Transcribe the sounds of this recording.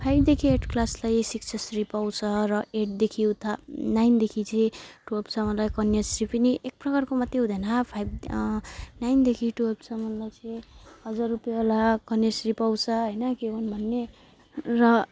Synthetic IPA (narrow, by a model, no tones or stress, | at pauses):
pʰajb̚d̪ekʰieʈʰklaslajsiksʰʌsripawt͡sʰʌrʌeʈ̚d̪ekʰiũt̪ʰʌnajnd̪ekʰit͡sʌĩʈuʌbt͡sʰʌmʌnlajkʌnjesripiniʔek̚prʌkarkomʌt̪ːeɦũd̪ʱʌnʌɦapʰajb | najnd̪ekʰiʈuʌb̚t͡sʰʌmʌlajt͡sʌĩɦʌd͡zarːupjaolakʌnjesripawt͡sʰʌɦʌjnʌkebʱʌnbʱʌnːe | rʌ